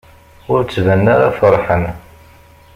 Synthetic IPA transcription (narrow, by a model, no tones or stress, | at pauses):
ʊɾt͡sːvænːaɾafəɾˤħən